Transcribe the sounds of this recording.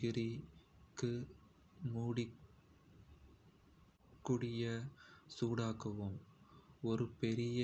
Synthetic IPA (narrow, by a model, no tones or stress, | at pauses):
ɪɾikːɯ | muːɽɪ | kːɯɽɪjɐsuːɽaːɣɐʋɯm | ɔɾɯpɛɾɪjɐ